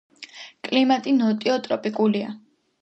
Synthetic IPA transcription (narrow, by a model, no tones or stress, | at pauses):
kʼlimat̪ʼinɔt̪ʼiɔt̪ʼɾɔpʼikʼulia̰